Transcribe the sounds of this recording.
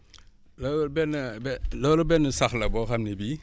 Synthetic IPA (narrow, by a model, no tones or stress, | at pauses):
lɔːlɔbɛnːəbɛlɔːlɔbɛnːəsɐxlɐbɔːxɐmnɛbi